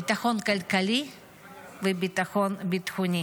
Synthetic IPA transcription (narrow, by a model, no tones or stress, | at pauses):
bit̪axonkalkali | vebit̪axonbit̪xuni